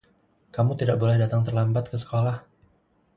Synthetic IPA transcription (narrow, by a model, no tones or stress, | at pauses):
kamut̪idaʔ̚bolɛhdat̪aŋt̪ərlambat̪̚kəsə̥kolah